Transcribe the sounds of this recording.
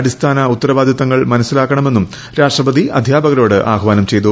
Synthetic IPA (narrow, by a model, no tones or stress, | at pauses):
ɽist̪ʰaːnɐut̪ːɐɾɐʋaːd̪ʱjɐt̪ɐŋːɐɭmɐnɐsːilaːkːɐɳɐme̞nːum | ɾaːʂʈrɐbɐd̪iʔɐ̰d̪ʱjaːbɐɣɐɾo̞ːɽɨʔa̰ːɣɐʋaːnɐmt͡ɕe̞jt̪u